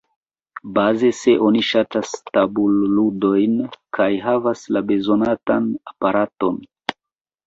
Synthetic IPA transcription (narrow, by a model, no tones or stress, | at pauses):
baze̞se̞ʔo̞niʃatastabulːudo̞jnkʰajɦavaslabe̞zo̞natanapaɾato̞n